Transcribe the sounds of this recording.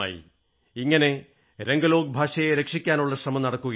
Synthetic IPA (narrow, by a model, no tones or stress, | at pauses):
a̰ːjḭ | iŋːɐne̞ | ɾe̞ŋɡɐlo̞ːɡɐbʱaːʂɐjeɾe̞kʂikʲːaːnuɭːɐɕrɐmɐmnɐɽɐkːuɣɐ